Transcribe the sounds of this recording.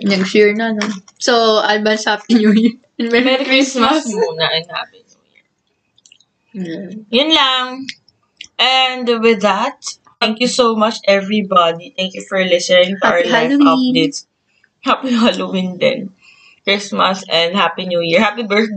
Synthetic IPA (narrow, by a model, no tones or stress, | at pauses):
nɐɡfuɹnɐnosoʔalbɐshapiɲujiɹ | mɛmɛɾikɹɪsmɐsmunɐʔɛ̃nha̰pinṵjḭɹ | jʊnlaŋ | ʔɛnd̪wɪðat̪̚ː | ɛ̃ŋkjusomɐt͡ʃʔɛvɹibad̪it̪ɛ̃ŋkjufɔɹlɪsɛnɪ̃ŋt̪aɹlad̪ɪt | hapiɐlowɪ̃nd̪ɛ̰n | kɹɪsmɐsɛ̃nd̪hapinujiɹhapibɜt